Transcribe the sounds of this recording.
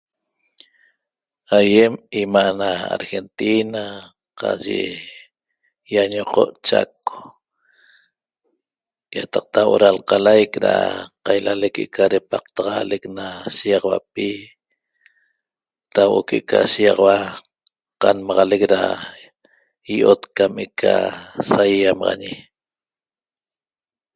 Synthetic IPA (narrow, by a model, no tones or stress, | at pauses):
ajemimaʔnaa̰ɾxe̞nt̪ina | qɑ̰ʒḛ | jaɲoqoʔt͡ʃa̰ko̥ | jat̪ɑq̚t̪awʔoɾalqɑlajkɾa̰qajlalekeʔkʰaɾepaq̚t̪aʁɑleknaʃijɑʁwap̚i | t̪awʔokeʔkʰa̰sijɑʁɑwa | qɑnmɑʁɑlekɾa̰ | iʔot̪kamikʰasajːamɑʁɑ̰ɲi